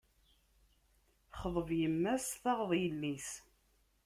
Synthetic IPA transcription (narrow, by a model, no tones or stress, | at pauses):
χəðˤəvjəmːæsθɑʁðˤjəlːis